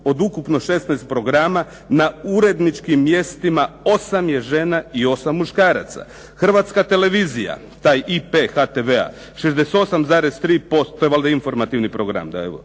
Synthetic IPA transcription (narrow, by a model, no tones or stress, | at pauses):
o̞d̪ukupno̞ʃe̞st̪najst̪̚pɾo̞ɡɾaːma | nauɾe̞d̪nit͡ʃkimːje̞st̪imao̞samje̞ʒenaio̞samːuʃkaːɾa̰t̪sa̰ | xr̩ʋat̪skat̪e̞le̞ʋiːzija̰ | t̪aːjipexat̪eʋea̰ | ʃezd̪eset̪o̞samzaːɾest̪ɾiːpo̞st̪t̪ːoeʋald̪ainfo̞ɾmat̪iʋnipɾo̞ɡɾa̰md̪a̰eʋo̰